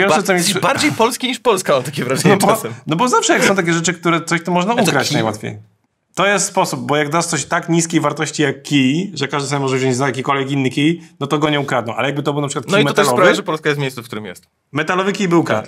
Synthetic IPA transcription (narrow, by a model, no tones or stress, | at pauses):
jɛlsɔt̪ɔmjɛsbaɾd͡ʑejpɔlskʲiɲiʂpɔlskaɔt̪akʲɛvɾaʐɔɛbɔɛnɔbɔzafʂɛjaksɔ̃w̃t̪ak̬ʲɛʐɛt͡ʂɘk̚t̪uɾɛt̪sɔɕt̪ɔmɔʐnaukɾat͡ɕnajwa̰t̪fʲjḛj | t̪ɔjɛst̪spɔsub̚bɔjaɡd̪ast̪sɔɕt̪akɲiskʲejvaɾt̪ɔɕt͡ɕijakːʲiʐɛkaʐd̪samʲjʲɛmɔʐɛvʑɔ̃ɲd͡ʑzajak̬ʲikɔlvʲjɛkinːɨkʲijnɔt̪ɔɡɔɲɛukɾad̪nɔ̃w̃ʔa̰lɛjaɡbɘt̪ɔbɨwnapʂɨkwat̪nʲk̪ɔiitmɛɔt̪ɛlɔpɾavvjaʐɛpɔlskajɛst̪mʲejssufkt̪uɾɨmjɛ̰st̪ | mɛt̪alɔvɘkʲijbɘwkɾa̰t̪